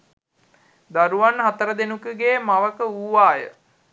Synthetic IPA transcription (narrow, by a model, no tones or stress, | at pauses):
d̪aɾuʋanɦat̪əɾəd̪enukəɡeːmaʋəkəuːʋaːjə̰